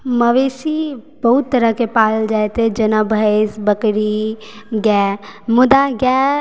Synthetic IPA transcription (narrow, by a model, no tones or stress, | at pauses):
məʋeːsib̥ɐɦʊt̪ːəɾəkepaːld͡ʒaːet̪ed͡ʒɐnãbʱəsbəkɾi | ɡɛːmʊd̪aɡɛː